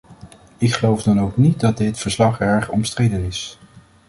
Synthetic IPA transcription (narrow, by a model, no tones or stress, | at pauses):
ɪkχəlowvdɑnowknit̚dɑt̚dɪtfəɹslɑχɛɹχɔ̰mstrejdənɪs